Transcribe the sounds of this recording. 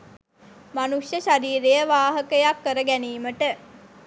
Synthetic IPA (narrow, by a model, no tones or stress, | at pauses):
manuʂjəʃaɾiːɾejəʋaːɦəkəjakːəɾəɡæniːməʈə